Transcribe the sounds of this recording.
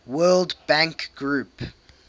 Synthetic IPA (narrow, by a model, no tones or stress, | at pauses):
wɜːlˠdbæ̃ŋkɡ̥ɹuˑp